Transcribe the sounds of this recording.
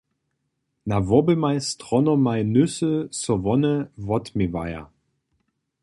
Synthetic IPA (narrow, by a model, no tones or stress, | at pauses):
navɔbəmaɪstʁ̥ɔnɔmaɪnʏsəsɔvɔnəvɔtmɪva̰ɪa̰